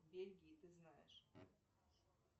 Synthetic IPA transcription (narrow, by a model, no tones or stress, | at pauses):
bʲelʲɡʲɪɪt̪ɨznajɪ̰ʂ